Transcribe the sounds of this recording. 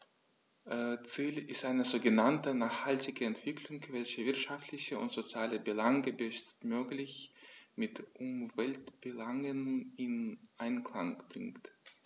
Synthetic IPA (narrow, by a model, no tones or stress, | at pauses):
ʔt͡siːlɪstʔaɪnəzoːɡənantənaːχhaltɪɡəɛntv̥ɪkʰlʊŋvɛlçəvɪɐtʃaftlɪçəʊntz̥ot͡sjaːləbəlaŋɡəbəʃt͡stmøːklɪçmɪtʔʊmvɛltb̥əlaŋənɪnʔaɪnkʰl̥aŋb̥ʁɪ̰ŋkt